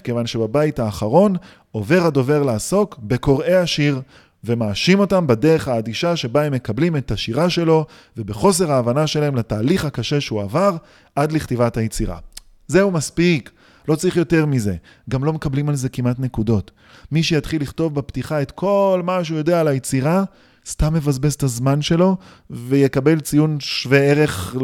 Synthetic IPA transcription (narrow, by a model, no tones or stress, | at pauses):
kevanʃebabaithaːχaʁo̞n | o̞ve̞ʁado̞ve̞ʁlaːso̞kbe̞ko̞ʁe̞aʃiʁ | ve̞maːʃimo̞tambadeʁeχaːdiʃaʃe̞baemːe̞kablime̞t̪haʃiʁaʃe̞lo̞ | ve̞beχo̞s̬e̞ʁaːvanaʃe̞laemlataːliχhakaʃe̞ʃeuavaʁ | adliχt̪ivathajet͡siʁa̰ | ze̞umaspik | lo̞t͡sʁiχjo̞te̞ʁmize̞ | ɡamlo̞me̞kablimalze̞kimʔatne̞kudo̞t | miʃejatχilːiχto̞vbaptiχae̞t̪kʰo̞lmaʃeujo̞dealajet͡siʁa | stamːe̞vazbest̪azmanʃe̞lo̞ | vejekabe̞lt͡sijunʃveeʁe̞χ